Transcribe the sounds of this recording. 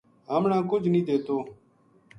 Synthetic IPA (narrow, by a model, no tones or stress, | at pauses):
ɦəmɳãːkʊd͡ʒʱnĩːd̪eːt̪oː